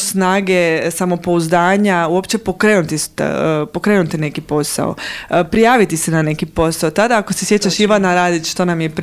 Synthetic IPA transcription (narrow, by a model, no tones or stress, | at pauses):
snaːɡe̞samo̞po̞uzd̪aːɲauopt͡ɕe̞po̞kɾeːnut̪ist̪ːpo̞kɾe̞ːnut̪ine̞kipo̞sa̰o̰pɾijaːʋit̪isenane̞kipo̞saot̪ad̪aakose̞sjet͡ɕaʃiʋanaɾaːd̪it͡ʃʃt̪onamjep